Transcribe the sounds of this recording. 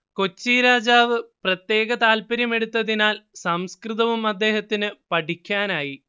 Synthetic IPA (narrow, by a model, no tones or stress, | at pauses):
ko̞t͡ɕːiɾaːd͡ʑaːʋɨprɐt̪je̞ːɣɐt̪aːlpɐɾjɐme̞ɽut̪ːɐðinaːlsɐmskrɨðɐʋumɐd̪ːe̞ːhɐt̪ːinɨpɐʈikʲːaːnaːji